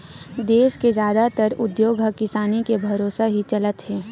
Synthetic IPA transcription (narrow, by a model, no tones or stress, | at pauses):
d̪eːsked͡ʒjaːd̪at̪əɾʊd̪joːɡəkɪsaːnikebʱɐɾoːsaɦit͡ʃɐlət̪ɦɛː